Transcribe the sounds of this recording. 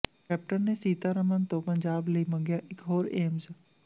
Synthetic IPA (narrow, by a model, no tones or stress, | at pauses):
kɛːp̚ʈənnesiːt̪aɾəmənt̪õpə̃ɲd͡ʒaːbləiːmə̃ŋɡjaːʔɪkɦoːɾeːmz